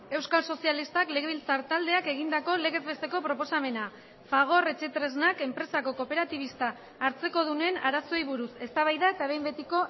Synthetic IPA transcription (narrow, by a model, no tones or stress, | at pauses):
e̞wskalso̞sialist̪akle̞ɣeβilt͡saɾt̪ald̪e̞ake̞ɣ̞ind̪ako̞le̞ɣe̞zβe̞st̪e̞ko̞pɾo̞po̞same̞na | faɣ̞o̞re̞t͡ʃe̞t̪ɾe̞znake̞mpɾe̞sako̞ko̞pe̞ɾat̪iβ̞ist̪aː | ɾt͡se̞ko̞ð̞une̞naɾaso̞jβ̞uɾuse̞st̪aβ̞ajðae̞t̪aβe̞jmbe̞t̪iko̞